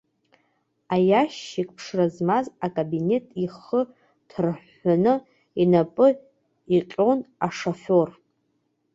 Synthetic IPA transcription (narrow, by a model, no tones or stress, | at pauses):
ajaʃikʼpʰʂrazmazakʼabine̞tʼiχə | tʰrħ | anɨ | inapʼɨ | iqʲʼo̞naʂofor